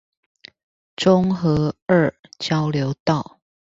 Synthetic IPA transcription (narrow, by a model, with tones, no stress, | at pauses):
ʈ͡ʂʊ˥ŋxɤ˧˥ə˥˨t͡ɕjɑ˦ʊljo˨˦ʊt̪ɑ˥˨ʊ